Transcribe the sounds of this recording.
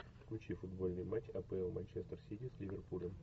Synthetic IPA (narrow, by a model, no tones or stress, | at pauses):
fklʲʉt͡ɕifʊd̪bo̞lʲnɨjmat͡ɕʲɐpɛɛlˠmɐnʲt͡ɕest̪rsʲitʲislʲɪvʲerpulʲəm